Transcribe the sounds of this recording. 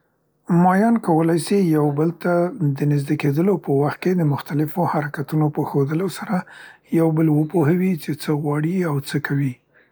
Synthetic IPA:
mɑjɑnkawəlajsijawbəlt̪ad̪ənɪzd̪eked̪əlopəwaxt̪̚ked̪əmʊxt̪alɪfohaɾakat̪unopəxod̪əlosaɾa | jawbəlwəpohawit͡ʃet͡səɣwɑɽiawt͡səkʰawi

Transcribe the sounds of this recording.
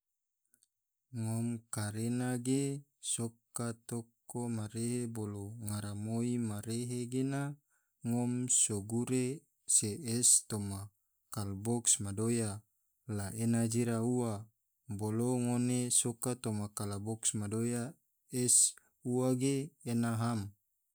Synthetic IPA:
ŋɔmkaɾenaɡesokat̪okomaɾeɦeboloŋaɾamoimaɾeɦeɡena | ŋɔmsoɡuɾe | seɛst̪oma | kalbɔksmadoja | laʔenad͡ʒiɾauwa | boloŋonesokat̪omakalabɔksmadoja | es | uwaɡeenaɦam

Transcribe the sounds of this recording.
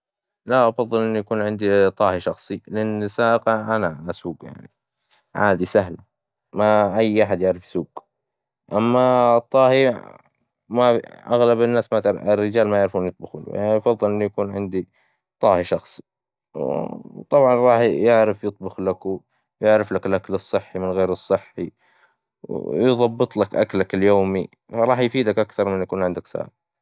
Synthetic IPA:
laʔɑfɑðˤːɨlʔɪnːujakuːnʕɪnd̪it̪ˤɑːhiʃɑxsˤilɪʔanːɪsːaːʔɪqɑʔanasuːɡja̰ʕni | ʕa̰ːd̪isaɦla | maʔajːʔaħad̪jɪʕɾɪfjsuːɡ | ʔamːat̪ˤːɑːhi | maʔaɣlabɪnːaːsmat̪ɾɪrːɪd͡ʒaːlmajɪʕɾfuːnjɨt̪ˤbɑxṵːl̰jaɑfɑðˤːɨlʔɪnːujakuːnʕɪnd̪i | t̪ˤɑːhiʃɑxsˤi̥ | w̰t̪ˤɑbʕɑnɾˤɑːħjɪʕɾɪfjɨt̪̚ˤbʊxlakw | jɪʕɾɪflakɪlʔaklɨsˤːɨħːimɪnɣeːɾɨsˤːɨħːi | wjðˤɑbːɨt̪ˤlakʔa̰klakɪljoːmi | fɑɾˤɑːħjfiːd̪akʔakθɑɾˤmɪnjakuːnʕɪnd̪aksa̰ː

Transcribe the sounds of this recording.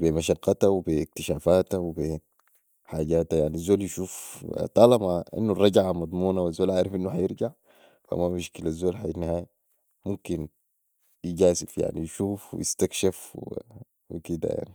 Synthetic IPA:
bimaʃɑqːɑt̪awibik̚t̪iʃaːfaːt̪awibi | ħaːɟaːt̪ajaʕniazːoːljiʃuːft̪ˤɑlɑmaʔḭnːurˤːɑɟʕamɑd̪ˤmuːnawazːoːlʔaʕɾˤɑfʔinːuħajɪɾɡaʕ | fa̰mamiʃkilazːoːlħajinːihaːja | mumkin | jiɟaːsifja̰ʕnijʃuːfwḭjḭst̪akʃafw | wḭkid̪a̰ja̰ʕni

